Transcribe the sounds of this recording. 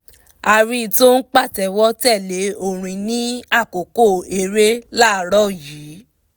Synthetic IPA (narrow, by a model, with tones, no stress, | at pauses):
a˧ɾi˧˦˧to˦n̩˦k͡pa˦˨tɛ˨wɔ˦tɛ˦˨le˨˦o˧˨ɾ̃ĩ˧nĩ˦a˦˨ko˨ko˦˨e˧ɾe˦la˦˨ɾɔ˦˨jiː˨˦